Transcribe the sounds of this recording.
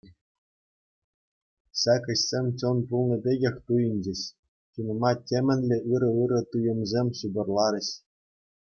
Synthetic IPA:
ɕækʲɘ̆ɕsʲemʲt͡ɕɤ̆npulˠnɤ̆pʲeɡʲexʲt̪ujɘ̆nʲd͡ʑɘ̆ɕ | t͡ɕunɤ̆mɑtʲemʲɘ̆nʲlʲeʔɯɾɤ̆ɯɾɤ̆t̪ujɤ̆mzʲemʲɕubʲɤ̆rlˠɑɾʲɘ̆ɕ

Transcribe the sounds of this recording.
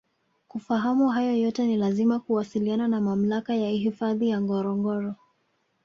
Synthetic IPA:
kufaɦamuɦajɔjɔtɛnilazimakuwasiliananamam̩lakajaiɦifaðijaŋɡɔɾɔŋɡɔɾɔ

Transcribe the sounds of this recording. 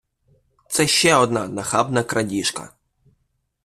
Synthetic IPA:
t̪sɛʃt͡ʃɛɔd̪nanɐxabnɐkɾɐdʲiʃkɐ̰

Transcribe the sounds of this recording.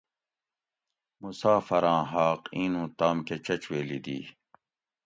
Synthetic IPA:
musaːfɐɾãːɦaːqĩːnũːt̪aːmket͡ɕɐt͡ɕweːlid̪ḭː

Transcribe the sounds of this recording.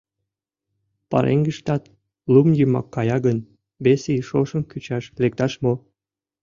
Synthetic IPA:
pɑ̰ɾʔḛŋɡə̆ʃt̪ɑt̪ | lumjymɑ̰kːɑjɑɡən | beseiʃoʃə̆mkyt͡ɕɑʃlek̚t̪ɑʃmo

